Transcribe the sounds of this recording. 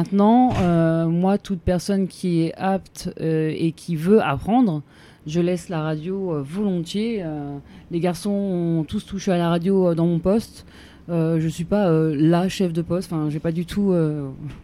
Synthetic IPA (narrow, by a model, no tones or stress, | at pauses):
mɛ̃t̪nɑ̃ømwat̪ut̪̚pɛʁsɔnkʲʰiɛapt̪øekʲʰivøʔa̰pχɑ̃d̪ʁ | ʒəlɛslaʁad̪joøvɔlɔ̃t̪jeøleɡaʁsɔ̃ɔ̃t̪ust̪uʃealaʁad̪jod̪ɑ̃mɔ̃pɔst̪ | øʒəsɥipaølaʃɛfd̪əpɔst̪ɑ̃fɛ̃ʒepad̪yt̪ʰuø